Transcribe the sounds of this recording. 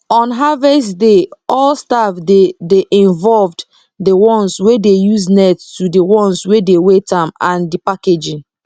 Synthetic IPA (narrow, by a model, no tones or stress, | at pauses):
ɔ̃nɦavɛsdeɔlstafdedeʔĩnvɔlvd | dewɔ̃nswedejuznɛttudiwɔ̃nswedewetãmãndipaked͡ʒĩn